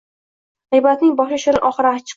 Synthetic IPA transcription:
ʁɪjbat̪nɪŋbɒʃaʃɪɾɪʔɒχɨɾat͡ʃʰːɪ̥

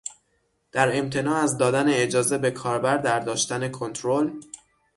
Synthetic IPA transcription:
d̪̥æɾe̞mt̪ʰe̞nɒːæzd̪ɒːd̪æne̞ːd͡ʒɒːze̞be̞kʰɒːɾbæɾd̪æɾd̪ɒːʃt̪æne̞kʰo̞nt̪ʰɾol

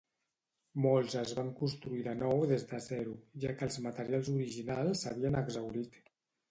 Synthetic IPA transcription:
molˠzəzβaŋkunst̪ɾuiðənɔwðezd̪əzɛɾuʒakəːlˠzmat̪əɾialˠzuɾiʒinalˠsːaβ̞iənəɡzawɾit̪

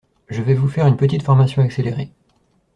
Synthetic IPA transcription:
ʒəvɛvufɛʁynpət̪̬it̪fɔʁmasjɔ̃akseleʁe

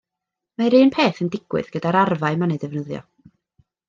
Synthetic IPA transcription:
maɾiːnpʰeːθəndɪɡ̥wɨ̰ðɡ̥ədaɾarvaɨmanedɛvnəðjɔ̰

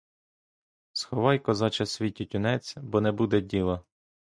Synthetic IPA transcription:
sxɔʋɑjkɔzɑt͡ʃɐsʲʋʲitʲitʲʊnɛt͡sʲbɔnɛbud̪ɛdʲilˠɐ

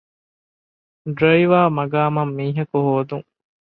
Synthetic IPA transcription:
ɖɾojʋaːmɐɡaːmɐmːiːɦɐkuhoːd̪uŋ

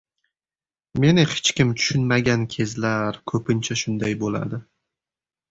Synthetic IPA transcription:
me̞nɪhɪ̥t͡ʃkʲɪmt̪ʰʊ̥ʃʊnmaɡʲankʲʰe̞zlaɾkʰɵpɪnt͡ʃʰaʃʊnd̪ajbola̰d̪ɪ

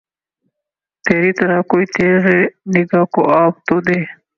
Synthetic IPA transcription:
pʰeːɾit̪ɐɾakoːit̪eːzeniɡakoʔaːbt̪od̪eː

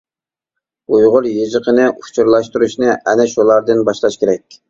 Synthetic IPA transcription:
ujʁʊɾjeʒəqʰənɨut͡ʃʰuɾlˠɑʃt̪uɾuʃnɨʔɛnɛʃulˠɑɾd̪ɨnbɑʃlˠɑʃkʲeɾɛkʲ

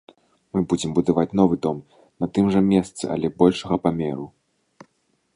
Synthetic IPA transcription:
mɨbud͡zʲɛmbud̪avat͡sʲn̪ɔvɨd̪ɔm | nɐt̪ɨmʐɐmʲɛst̪sɨ̰ɐ̰lʲɛbɔlʲʂɐɣɐpamʲɛɾu

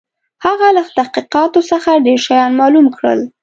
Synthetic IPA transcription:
haɣalat̪ahqiqɑt̪osəxaɖeɾʃajɑnmɑlumkɽə̰l

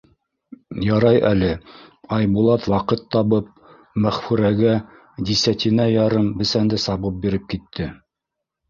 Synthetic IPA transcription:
jɑɾɑjʔælɘɑjbulˠɑt̪wɑqɤt̪ːɑβɤp̚ | mæχfʉɾæɡæ | d̪ʲisæt̪ʲinæjɑɾɤmbɘ̆sænd̪ɘsɑβɤp̚biɾɘp̚kit̪ʰːɘ

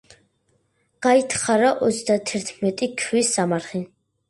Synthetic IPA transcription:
ɡ̥ait̪ʰχaɾaʔɔt̪sʰd̪at̪ʰɛɾt̪ʰmɛt̪ʼikʰwisamaɾχi

